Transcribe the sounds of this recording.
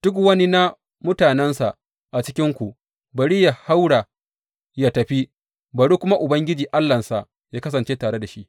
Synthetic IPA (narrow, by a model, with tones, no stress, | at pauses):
d̥ʊ˦k̬wɐ˦ni˦na˦ | mʊ˦taː˨nɛ˦nsa˨ʔ | ʔa˨t͡ʃɪ˦kʲɪ˦ŋkʷu˨ | bɐ˨ɽi˦ja˨ha˦wɽa˨ | jaː˦tɐ˨ɸi˦ | ba˨ɽu˦kʷʊ˦ma˦ʔʊ˨bɐ˦ŋɡʲɪ˦d͡ʒiː˨ʔa˦lːɐ˨nsa˨ | jaː˦kɐ˦s̬ɐ˨nt͡ʃeː˦taː˨ɽe˦da˨ʃi˦ʔ